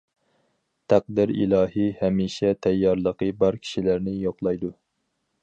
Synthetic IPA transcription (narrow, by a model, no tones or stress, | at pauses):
t̪ʰæq̚d̪ɪɾḭlˠɑːɦihɛmiʃɛt̪ʰɛjːɑɾlˠəqəbɑɾkʲʰi̥ʃilæɾnɪjoqlˠɑjd̪u